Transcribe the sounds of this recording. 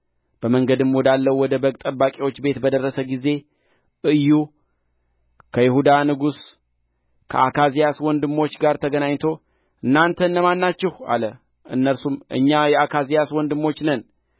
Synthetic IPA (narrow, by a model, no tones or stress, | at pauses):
b̥əməŋɡəd̪ɨmwɔd̪alːəwwɔd̪əbəkʼt̪ʼəbakʼiwo̞t͡ʃːbe̞t̪bəd̪ərːəsəɡize̞ | ʔɨjːu | kʰəjɪhud̪anɨɡus | kʰə̰akʰazijaswɔnd̪ɨmːo̞t͡ʃːɡaɾt̪ʰəɡənaɲːt̪ʰo̞ | ʔɨnːant̪ʰənːəmanːat͡ʃːɪha̰lə | ʔɨ̰nːəɾsumɨ̰ɲːajɛakʰazijaswɔnd̪ɨmːo̞t͡ʃːnən